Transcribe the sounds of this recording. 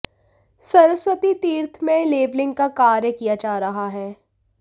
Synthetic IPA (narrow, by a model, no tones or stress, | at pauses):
sɐɾəswət̪it̪iːɾt̪ʰmẽleːʋlɪ̃ŋɡ̚kakaːɾjəkijad͡ʒaːɾɐɦaɦɛː